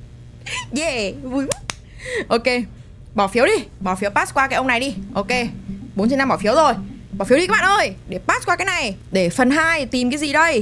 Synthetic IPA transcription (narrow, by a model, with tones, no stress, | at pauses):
zɛ˧˩vu˨˧˩j | ʔo˧ke˧ | ɓɔ˧˩fi˨˦əwɗi˧ɓɔ˧˩fi˨˦əwpaː˦˥kwaː˧kaː˨˦ʔə˧wna˨˩jɗi˧ʔo˧ke˧ɓo˨˦nt͡ɕə˧na˧mɓɔ˧˩fi˨˦əwzo˨˩jɓɔː˧˩fwi˧a˦˥ɓaː˧˨ʔəː˧jɗe˧˩paː˦˥t̚kwaː˧kaː˨˦jna˨˩jɗe˧˩fə˨˩nɦaː˧jt̪i˨˩mkaː˨˦jzi˨˩ɗə˧j